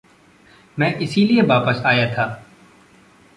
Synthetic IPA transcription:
mɛ̃ːʔɪsilieʋaːpəsaːjat̪ʰaː

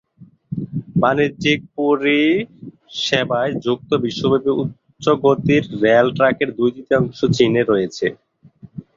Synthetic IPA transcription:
banid͡ʑik̚puɾi | ʃebaed͡ʑuk̚t̪obiʃːobʱebiutː | ɕoɡot̪iɾːealʈɾakeɾd̪ujd̪it̪iɔŋʃot͡ɕineɾojet͡ɕʰe

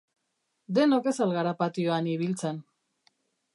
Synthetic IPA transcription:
d̪e̞noke̞salɣaɾapat̪ioaniβ̞ilt͡sen

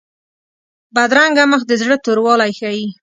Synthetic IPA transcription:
bad̪ɾaŋɡaməxd̪əzɽət̪oɾwɑlajxaji

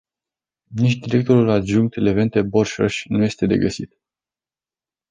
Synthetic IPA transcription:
nit͡ʃd̪iɾe̞k̚t̪oɾulad̪ʒuŋk̚t̪ele̞ve̞nt̪eborʃo̰ʃʲnuje̞st̪e̞d̪e̞̰ɡəsit̪

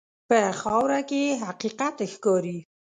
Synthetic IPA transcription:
pəxɑwɾakeɦaqiqat̪xkɑɾi

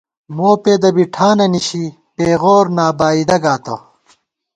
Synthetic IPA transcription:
moːpeːd̪ɐbiʈʰaːnɐniɕi | peːɣoːɾnaːbaːid̪ɐɡaːt̪o̰

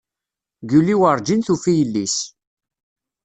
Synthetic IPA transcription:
ɡuliwəɾˤd͡ʒinθufijəlːis

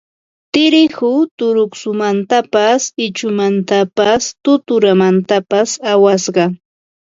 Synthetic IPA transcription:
t̪ɪɾɪhʊt̪ʊɾʊksʊmant̪apasɪt͡ʃʊmant̪apast̪ʊt̪ʊɾamant̪apasawasɢɑ

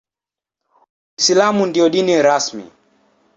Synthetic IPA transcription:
isilamundiɔɗiniɾasmḭ

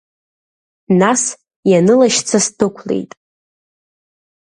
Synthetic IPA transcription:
nas | janɨlaʃt͡sʰastʰɨkʷʰlḛjtʼ

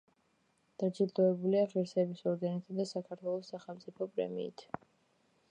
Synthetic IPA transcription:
d̪̥ad͡ʒid̪ɔɛbuliaχiɾsɛbisɔɾɡanit̪ʰad̪asakʰaɾt̪ʰwɛlˠɔsːaχɛlˠmt̪sʼipʰɔpʼɾɛ̰mḭːt̪ʰ

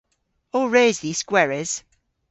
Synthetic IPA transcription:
ɔɹeːzði̥ːskwɛɹɪz̥

